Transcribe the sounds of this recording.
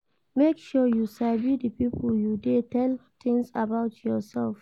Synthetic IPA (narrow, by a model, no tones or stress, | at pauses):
mekʃɔjusavidəpipʰəljudetɛlt̪ɪ̃ŋsabaʊtʰjɔsɛlf